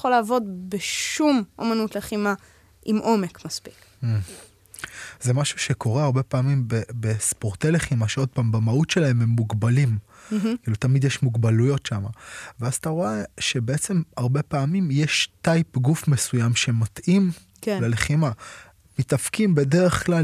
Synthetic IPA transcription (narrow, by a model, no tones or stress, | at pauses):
χolaːvo̞dbeʃumʔomanutleχima | ʔimʔo̞mekmaspi̥k̩ | zemaʃu̥ʃeko̞ʁeaʁbe̞paːmimbebespoʁtejle̞χimaʃeo̞d̚paːmbamautʃe̞laememːuɡbalimkilut̪amid̪jeʃmuɡbalujo̞tʃamaveazat̪aʁoeʃe̞beet͡se̞maʁbe̞paːmimjeʃtajpɡufmesujamʃematʔim | kleleχima | mitafkimbe̞deʁe̞χkla